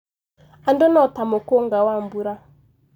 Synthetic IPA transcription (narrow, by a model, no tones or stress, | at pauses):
an̩donɔtamokoŋ̩ɡawam̩buɾa